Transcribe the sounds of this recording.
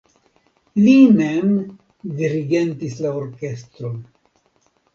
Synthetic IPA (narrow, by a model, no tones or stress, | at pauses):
limem | diɾiɡe̞ntislaoɾke̞st̪ɾon